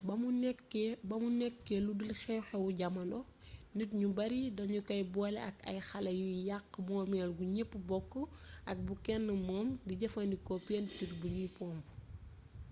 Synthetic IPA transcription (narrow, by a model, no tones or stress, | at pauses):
bɐunɛkːbɐmunɛkːɛludilxɛwxɛwuɟɐmɐnɔnitɲubɐɾidɐɲukɐjbɔlɛɐkɐ̰jxɐlɐjujaqːmɔːmɛːlɡuɲepːbɔkːəʔɐk̚bukɛnːəmɔːmɡiɟɐfɐndikɔpɛntirbuɲipɔːm